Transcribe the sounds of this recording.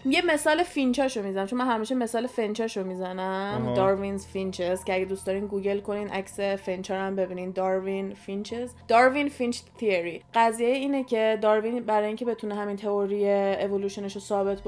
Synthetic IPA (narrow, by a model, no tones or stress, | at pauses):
jeme̞sɒːlefint͡ʃʰɒːʃomizænæmt͡ʃʰonmænɦæmiːʃeme̞sɒːlefent͡ʃʰɒʃomiːzænæmd̪ɒːɾvinzfint͡ʃʰezcʰeæɟed̪uːstd̪ɒːɾiːnɡuːɟelko̞niːd̪ʔæcsefent͡ʃʰɒːɾæmbe̞biːniːnd̪ɒːɾvinfint͡ʃʰezd̪̥ɒɾvinfint͡ʃt̪ʰieɾiɢæziːjejiːnecʰed̪ɒːɾvinbæɾɒːjiŋcʰe̞be̞t̪ʰuneɦæmiːnt̪ʰe̞oɾijeevoluːʃoneʃosɒːbe̞t̪ʰb